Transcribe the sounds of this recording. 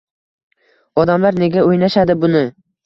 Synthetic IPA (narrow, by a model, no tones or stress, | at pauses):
ɒd̪amlaɾne̞ɡʲaojnaʃad̪ɪbʊnɪ